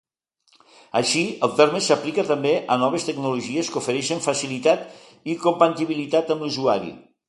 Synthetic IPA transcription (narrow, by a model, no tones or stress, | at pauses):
əʃiəlˠt̪eɾmesəplikət̪əmbeʔənɔβ̞est̪əɡnuluʒieskufəɾɛʃəɱfəsilit̪at̪ | ikompant̪iβilit̪at̪əmluzuaɾḭ